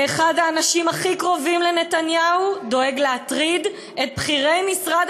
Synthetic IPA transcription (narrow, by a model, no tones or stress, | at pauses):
eχadhaːnaʃimaχikʁo̞vimlenetanjaudoeɡleat̪ʁid | et̚bχiʁe̞jmisʁad